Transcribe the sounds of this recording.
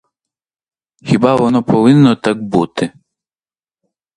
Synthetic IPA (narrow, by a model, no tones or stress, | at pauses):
xʲibɑʋɔnɔpɔʋɪnːɔt̪ɑk̚but̪ɪ